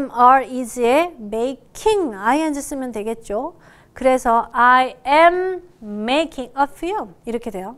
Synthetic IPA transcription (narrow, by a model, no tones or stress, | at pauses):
maɾid͡ʑiemeikʰiŋaiand͡ʑɯs͈ɯmjʌndwe̞ɡe̞t̚t͡ɕ͈o | kɯɾe̞sʰʌʔajemː | ekʰiŋʌfilmiɾʌkʰe̞dwe̞jo